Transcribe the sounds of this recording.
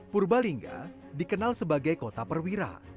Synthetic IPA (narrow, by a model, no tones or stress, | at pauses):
purbaliŋɡa̰ | dikənalsəbaɡajkot̪apərwiɾa̰